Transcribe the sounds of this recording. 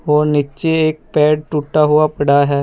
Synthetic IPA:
ɦoːnit͡ʃeeːk̚pɛːɖ̚ʈuʈːaɦʊapɐɽaɦɛː

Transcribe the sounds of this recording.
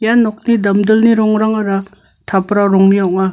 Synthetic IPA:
janɔk̚nidamdəlniɾɔŋɾaŋaɾa | tʰapɾaɾɔŋmijɔʔ̚ŋa

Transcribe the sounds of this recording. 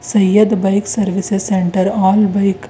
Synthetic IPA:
sɐjːəd̪bɐɪksɐɾʋɪsezsẽɳʈəɾaːlbɐɪk

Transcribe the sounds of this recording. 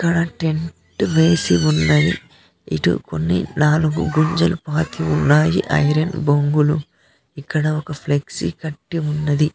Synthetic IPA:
ikːɐɽɐʈe̞ɳʈʋe̞ːsiunːɐji | ḭʈṵko̰nːḭnaːluɡṵɡuɲd͡ʒɐlupaːt̪iunːaːjiʔɐ̰jɾɐnboŋɡulu | ikːɐɽɐokɐpʰleksḭkɐʈːiunːɐd̪i

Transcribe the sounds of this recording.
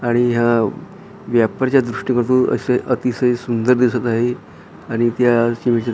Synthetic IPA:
aɽ̃iɦja | ʋjapəɾt͡ɕjad̪ɾuʂʈikəɾt̪oə̰seʔət̪isəjsund̪əɾd̪isət̪aɦe | aɽ̃it̪jaɕimet͡ɕa

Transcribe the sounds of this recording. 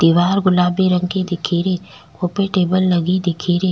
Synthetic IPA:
d̪̥iːʋaːɾɡʊlaːbeɾə̃ŋɡked̪ɪkʰiːɾe | koːpeʈeːbəlːɐɡid̪ɪkʰiːɾeː

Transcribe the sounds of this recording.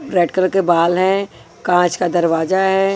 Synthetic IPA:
ɾeːɖkəlkebaːlɦɛ̃ | kãːt͡ʃkad̪ɐɾʋaːzaɦɛː

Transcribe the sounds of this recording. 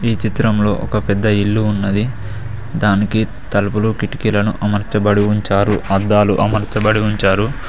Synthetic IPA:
iːt͡ʃit̪ɾɐmlo̞ːʔɔkɐpɛd̪ːɐilːuːnːɐd̪i | d̪aːniki | t̪ɐlɐpulukiʈi̥kilɐnuʔɐmɐɾt͡ʃɐbɐɽiuɲt͡ʃaːɾuɐd̪ːaːlṵʔɐmɐɾt͡ʃɐbɐɽiuɲt͡ʃaːɾu

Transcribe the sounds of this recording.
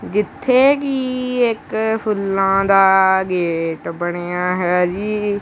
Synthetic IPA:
d͡ʒɪt̪ʰːeːkiːɪkpʰʊlːãːd̪aːɡeːʈbəɽ̃eːaːɦɛːd͡ʒiː

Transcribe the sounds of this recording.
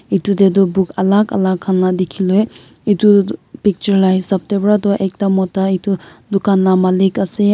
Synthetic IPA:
it̪udedubukɐlakɐ̰lakʰːanlad̪ekʰiloe | itupik̚t͡ʃəɾlaisɐp̚tebɾat̪ɔʔek̚tamɔtaitudukanlamalikase

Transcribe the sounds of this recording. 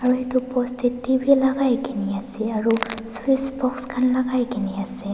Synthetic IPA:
aɹuɦet̪upɔst̪ʰitibʱilaɡajkiniasɛaɹusuisbɔkskʰanlaɡajkiniase

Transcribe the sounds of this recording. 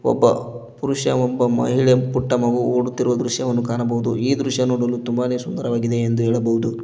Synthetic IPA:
ɔ̰bːɐ̰puɾuʃjɐ̰ɔbːɐmɐ̰ɦiɭepuʈːɐmɐʋuoːɽut̪ːiɾuʋɐd̪ɾuʃjɐʋɐnːukaːnɐbɐɦud̪uiːd̪ɾuʃjɐnoːɽɐlːut̪umbaːneːsund̪ɐɾɐʋaːɡid̪e̞ːnd̪uɦeːɭɐbɐɦud̪u

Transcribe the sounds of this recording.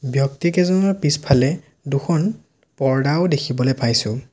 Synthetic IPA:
bjɔktikɛzɔnɔɹpispʰalɛ | duxʰɔn | pɔɹdawdekʰibɔlejpajsʊ̃

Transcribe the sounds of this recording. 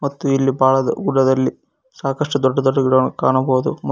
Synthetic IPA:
mɐt̪ːuilːibʱaːɭɐd̪ɐ̰ɡuɽɐd̪ɐlːi | saːkɐʂʈud̪ɔɖːɐd̪ɔɖːɐɡiɽɐʋnukaːɳɐbɐːud̪umɐ

